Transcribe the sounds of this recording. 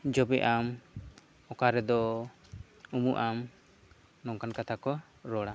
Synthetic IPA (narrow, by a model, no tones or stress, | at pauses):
d͡ʒɔbɛʔam | ɔkaɾɛd̪ɔ | umuʔam | nɔŋkankat̪ʰakɔ | ɾɔɽa